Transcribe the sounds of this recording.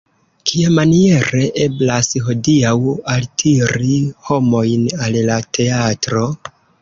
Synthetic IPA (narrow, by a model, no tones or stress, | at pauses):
kʰiamanie̞ɾe̞ʔe̞blasɦo̞diawaltʰiɾiho̞mo̞jnallatʰe̞atɾo̞